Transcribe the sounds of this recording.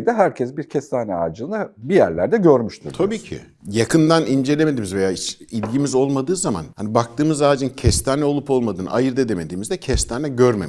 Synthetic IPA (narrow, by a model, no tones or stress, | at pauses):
d̪ɛɦæɾcʰɛsbiɾcʰɛst̪ʰaːnɛaːd͡ʒɯnabijæɾlʲæɾd̪ɛɟøɾmyʃt̪ʰṵɾt̪ʰabiːcʰḭ | jakʰɯnd̪anind͡ʒe̞lʲemed̪iːmizve̞jaːiilʲɟimizo̞lˠmad̪ɯːzama̰nhanibak̚t̪ɯːmɯzaːd͡ʒɯncʰɛst̪ʰaːnɛo̞lˠupo̞lˠmad̪ɯːna̰jɯɾd̪ed̪e̞med̪iːmizd̪ɛcʰɛst̪ʰaːnɛɟøɾmemi